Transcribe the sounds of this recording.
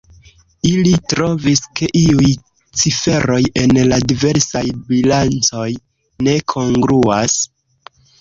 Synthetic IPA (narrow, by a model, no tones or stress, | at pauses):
ilitɾo̞viske̞ʔiuj | t͡sife̞ɾo̞je̞nladive̞ɾsajbilant͡so̞j | ne̞kʰo̞ŋɡɾuas